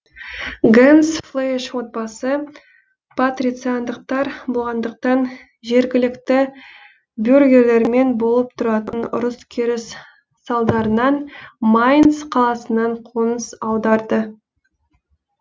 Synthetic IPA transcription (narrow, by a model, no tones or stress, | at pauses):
ɡemsflˠejʃwo̞t̪̚bɑsə | pʰat̪rʲit̪sɨjand̪əq̚t̪ɑɾbolˠʁɑnd̪əq̚t̪ɑn | ʒe̞ɾɡʲɪlɪkt̪ɪ | bjorɡʲe̞ɾle̞ɾme̞nbo̞lˠəp̚t̪ʰʊɾɑt̪ənʊ̰ɾʊskʲʰeɾɪsː | ɑlˠd̪ɑɾənɑnmajnsqʰɑlˠɑsənɑɴqʰonəsɑwd̪ɑɾd̪ə